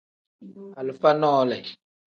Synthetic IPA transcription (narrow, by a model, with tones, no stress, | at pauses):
a˨lə˨fa˦nɔː˦lɛ˨